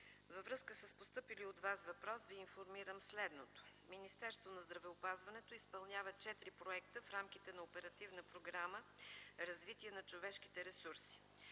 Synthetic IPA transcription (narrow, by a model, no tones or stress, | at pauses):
vəvɾɤskəsəspost̪ɤpiliod̪vasvɐpɾɔsviːnfoɾmiɾəmslɛd̪not̪o̥minist̪ɛɾst̪vonɐzd̪ɾɐvɛopazvɐnɛt̪oispɐlˠnʲavət͡ʃɛt̪ɾipɾoɛkt̪əfɾamkʲit̪ɛnɐopɛɾɐt̪ivnəpɾoɡɾaməɾɐzvit̪iɛnɐt͡ʃovɛʃk̟it̪ɛɾɛsuɾsi̥